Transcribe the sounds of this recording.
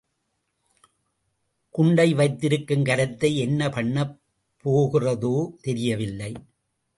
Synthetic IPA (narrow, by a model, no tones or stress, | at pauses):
kʊɳɖɐɪʋɐɪt̪ːɪɾɯkːɯmkɐɾɐt̪ːɐɪɛnːɐpɐɳːɐ | pʰːoːɣɪrɐðoːt̪ɛɾɪjɐʋɪlːɐɪ